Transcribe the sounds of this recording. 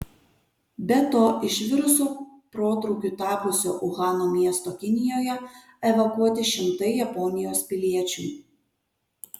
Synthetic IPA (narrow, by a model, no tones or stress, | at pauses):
bʲɛt̪oːʔɪʃʲʋʲɪɾʊsoː | pɾoːt̪ɾɔʊkʲuːt̪ɑːpʊsʲoːʔʊɣɑːnomʲiɛst̪oːkʲɪnʲɪjoːjɛ | ɛʋɐkuɔt̪ʲɪʃʲɪmt̪ɐɪjɐpɔːnʲɪjoːspʲɪlʲiɛt͡ʃʲṵ